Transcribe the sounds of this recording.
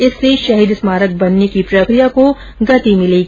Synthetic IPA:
ɪsːeʃɐɦiːd̪smaːɾək̚bɐnːekipɾɐkɾijako | ɡɐt̪imɪleɡi

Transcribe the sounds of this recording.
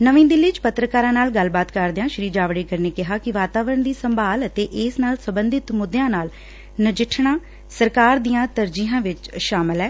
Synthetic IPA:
nəʋĩːd̪ɪlːiːt͡ʃpət̪ɾəkaːɾãːnaːlɡəlbaːt̪kəɾd̪ejãːʃɾiːd͡ʒaːʋɽeːkəɾneːkɪɦaːkɪʋaːt̪aːʋɾəɳd̪iːsəmbʱaːlət̪eːʔɪsnaːlsəbənd̪ɪt̪mʊd̪jãːnaːl | nəd͡ʒɪʈʰɳaː | səɾkaːɾd̪ijãːt̪əɾd͡ʒiːãːʋɪt͡ʃʃaːməlɛː

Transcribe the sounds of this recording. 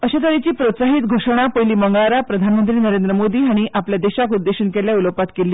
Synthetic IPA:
əɕet̪əɾit͡ɕiːpɾot̪saɦiːt̪ɡʱoʂɽ̃apəjliːməŋɡaɾapɾəd̪ʱanmənt̪ɾiːnəɾend̪ɾəmod̪iːaɽ̃iʔapljad̪eɕakud̪ːeɕənkeljauləpat̪kelːiː

